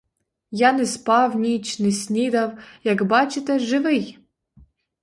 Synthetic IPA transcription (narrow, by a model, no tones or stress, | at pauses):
janɛspɑwnʲit͡ʃnɛsʲnʲid̪awjakbɑt͡ʃɪt̪ɛʒɪʋɪj